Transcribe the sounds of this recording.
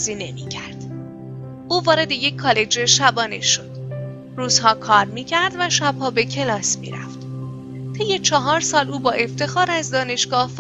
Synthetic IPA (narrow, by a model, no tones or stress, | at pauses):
ziːne̞micʰæɾd̪̥ | ʔuːvɒːɾe̞d̪e̞je̞cʲʰːɒːle̞d͡ʒe̞ʃæbɒːne̞̰ʃo̞d̪̥ | ruːz̥hɒːkʰɒːɾmiːcʰæɾd̪væʃæb̥hɒːbe̞cʰe̞lɒːsmḭɾæ̰ft̪ | t̪ʰe̞jːe̞t͡ʃʰɒɦɒːɾsɒːluːbɒːʔe̞ft̪e̞xɒːɾæzd̪ɒːne̞ʃɡɒːhf